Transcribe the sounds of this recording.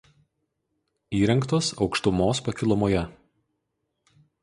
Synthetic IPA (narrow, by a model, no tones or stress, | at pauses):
iːɾʲɛŋkt̪oːsɒʊkʃt̪ʊmoːspɐkʲɪlˠɔmoːjɛ